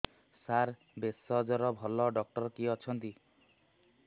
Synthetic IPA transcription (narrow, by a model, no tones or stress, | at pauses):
saɾ | besɔd͡ʒɔɾɔbʱɔlɔɖɔk̚ʈɔɾɔkiɔt͡ʃʰɔnt̪i